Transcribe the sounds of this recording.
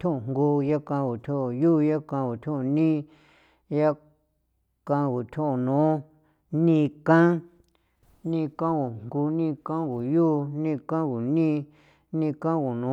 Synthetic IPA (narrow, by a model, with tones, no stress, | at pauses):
t̪ʰʲũ˦ũ˨ŋɡu˧ja˦kã˧ɣu˨t̪ʲʰũ˦˨ju˦ja˦kã˧ɡu˨t̪ʰũ˦ũ˧nĩ˦ | ja˦ | kã˧ɣu˨t̪ʲʰũ˦˨nũː˨˦ | nĩ˦˧kã˦ | nĩ˧kã˦ɣu˨ŋɡu˧nĩ˦˧kã˦ɡu˨ju˦nĩ˦˧kã˦ɡu˨nĩ˦ | nĩ˧kã˦˧ɡu˨nũ˨˦